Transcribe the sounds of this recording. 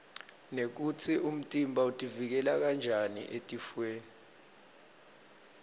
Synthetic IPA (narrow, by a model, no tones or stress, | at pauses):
nek̬ut͡sʰium̩tʼimbʱautʼivik̬ɛlak̬and͡ʒʱanḭʔetʼifweːni